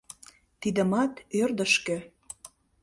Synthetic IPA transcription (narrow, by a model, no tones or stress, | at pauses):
t̪id̪ə̆mɑt̪ørd̪ə̆ʃkø̆